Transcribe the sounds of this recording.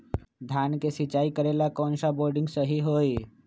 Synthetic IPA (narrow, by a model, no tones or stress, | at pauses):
d̪ʱjaːnkesɪt͡ʃaːikəɾeːlakɔ̃ːnsaboːɾɖɪ̃ŋɡsəɦiɦoːi